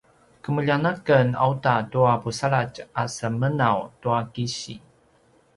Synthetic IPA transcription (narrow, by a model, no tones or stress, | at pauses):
kəməʎanakəna̰utatuapusaɭat͡ʃasəmənawtuakiɕḭ